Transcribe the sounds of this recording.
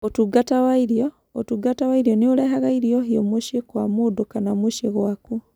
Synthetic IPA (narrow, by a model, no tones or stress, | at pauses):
otuɡatawaiɾijo | o̰tuɡatawaiɾjonioleɦaɣaiɾioɦiomwuʃekwamudokanamwuʃeɣwaku